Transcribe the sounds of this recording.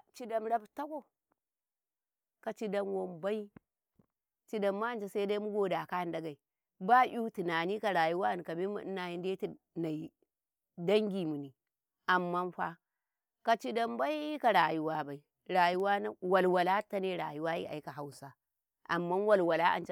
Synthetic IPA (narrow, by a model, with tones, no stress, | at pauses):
t͡ʃi˦da˦mɾa˦bta˦ko˦ | ka˨t͡ʃi˦da˦mwo˦mba˦i˦ | t͡ʃi˦da˨mːa˦a˨nt͡ʃa˦sa˦i˦da˦mu˦ɡo˨da˨ka˦˨nda˦ɡa˨i˨ | ba˦ʔu˦ti˨naː˨ni˦ka˨ɾa˨ju˦wa˦˨ni˨ka˨mi˦mṵ˨˦na˨ji˦nde˦ti˨ | na˨i˨ | da˦ŋɡʲi˨mu˨ni˨ | ʔa˨mːa˦nɸa̰˦ | ka˨t͡ʃi˦da˦mba˦i˦ka˨ɾa˨ju˦wa˦ba˨i˨ | ɾa˨ju˦wa˦na˦wa˨lwa˨la˦ta˦ne˦ɾa̰˨ju˦wa˦ḭ˦a̰˨ji˦ka˨ɦa˦wsa˦ | ʔa̰˨mːa˦nwa˦˨lwa˨la˦ʔa̰˨nt͡ʃ